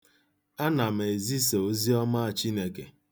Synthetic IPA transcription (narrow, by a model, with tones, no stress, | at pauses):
a˦na˨m̩˨e˨zi˦se˨o˦zi˦ɔ˦ma˦a˨t͡ʃi˦ne˨ke˨